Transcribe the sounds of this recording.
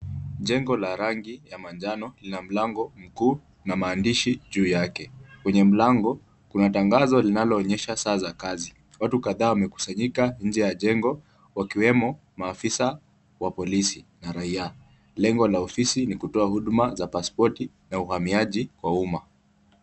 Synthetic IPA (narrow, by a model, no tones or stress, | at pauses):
ʄɛŋɡɔlaɾaŋɡijamand͡ʒanɔlinam̩laŋɡɔm̩kuː | namaːndiʃiʄuːjakɛkwɛɲɛm̩laŋɡɔ | kunataŋɡazɔlinalɔːɲɛʃasaːzakazi | watukaðaːwamɛku̥saɲikanɲ̩d͡ʒɛjaʄɛŋɡɔ | wakiwɛmɔ | maːfisa | wapɔlisinaɾaia | lɛŋɡɔlaɔfisinikutɔahuɗumazapaspɔti | nauhamiaʄikwauma